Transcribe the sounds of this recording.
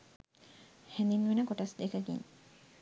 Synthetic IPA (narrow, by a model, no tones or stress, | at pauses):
hɛnd̪inʋenəkoʈɐsd̪ekəɡḭŋ